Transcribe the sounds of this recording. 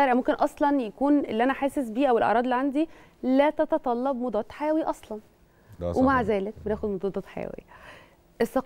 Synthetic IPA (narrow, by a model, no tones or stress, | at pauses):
æɾʕmomkenʔɑsˤlɑnjækuːnelːiʔænæħaːsesbiːʔæwelʔɑ̰ʔɾˤɑːd̪elːiʕand̪i | læːt̪ɑt̪ɑt̪ˤɑlːɑbmod̪ˤɑːt̪ˤħajæːwiʔɑsˤlɑn | wʔemaʕzæːlek̚benæːxod̪mod̪ˤɑd̪ˤɑːt̪ħa̰jæ̰wḛjæ | ʔesːɑq